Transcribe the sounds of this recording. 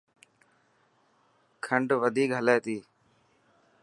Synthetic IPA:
kʰəɳɖʋəd̪ʱiːkɦəleːt̪iː

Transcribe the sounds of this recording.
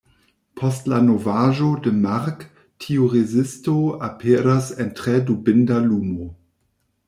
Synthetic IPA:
pʰɔstlanovaʒodəmaɾk | tʰiuʁezɪstoapʰeːɾasentʁedubɪndaluːmo

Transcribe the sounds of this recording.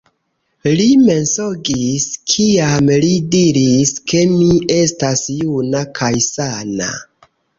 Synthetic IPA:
lime̞nso̞ɡiskʰiamlidiɾiske̞mie̞stasjunakʰajsana̰

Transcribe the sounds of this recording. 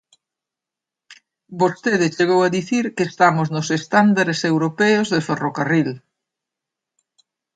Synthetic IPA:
bost̪eðɪt͡ʃeɣowaðiθiɾkeːst̪amʊznʊsest̪and̪aɾesewɾopɛozðeferokaril

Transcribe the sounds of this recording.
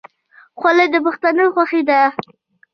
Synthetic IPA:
xwaləjd̪əbəxt̪anəxʷwaxid̪a

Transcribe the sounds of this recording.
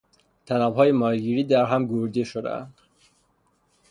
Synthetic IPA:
t̪ʰænɒːbhɒːjemɒːɾɡiːɾiːd̪æɾɦæmɡoɾd̪eʃod̪æ̰æ̰nd̪̥

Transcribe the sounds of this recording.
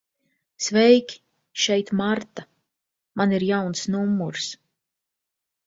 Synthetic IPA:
svɛjkʲ | ʃɛjt̪maɾt̪a | maniɾjawnsnumːuɾs

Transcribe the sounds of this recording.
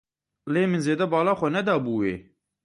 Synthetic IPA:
leːmɨnzeːd̪ɛbɑːlɑːxʷɛnɛd̪ɑːbuːwḛː

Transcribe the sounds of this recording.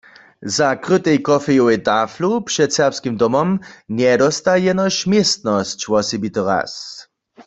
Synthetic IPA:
zakʁɨt̪ɛjkɔfɛjɔwɛt̪aːflupʂɛt̪sɛʁpskimd̪ɔmɔmnjɛdɔst̪ajɛnɔɕmjest̪nɔst͡ɕwɔsibit̪ɔʁa̰s

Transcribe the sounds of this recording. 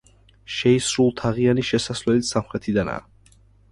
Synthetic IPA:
ʃɛisɾulˠt̪ʰaʁianiʃɛsasvlɛlit̪samχɾɛt̪ʰid̪ana̰ː

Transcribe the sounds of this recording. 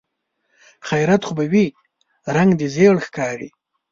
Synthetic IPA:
xajɾat̪xubawi | ɾaŋɡd̪izeɭxkɑɾi

